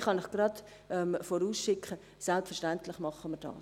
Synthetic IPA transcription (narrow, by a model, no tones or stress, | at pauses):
χɑnɪχɡ̥ɾɑt | ɛmfɔɾuːsʃɪkʰχə | sɛlpsfɛɾʃtɛntlɪχmɑχəməd̥ɑ̰ːs